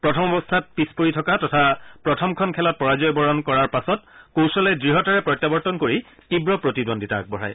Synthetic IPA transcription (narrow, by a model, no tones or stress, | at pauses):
pɹɔtʰɔmɔbɔstʰat̚pispoɹitʰɔkatɔtʰapɹɔtʰɔmkʰɔnkʰɛlɔt̚pɔɹazɔjbɔɹɔnkɔɹaɹpasɔtkowsɔlɛdɹiɦɔtaɹɛpɹɔjtːabɔɹtɔnkoɹi | tibɹɔpɹotidondita̰k̚bɔɹa̰j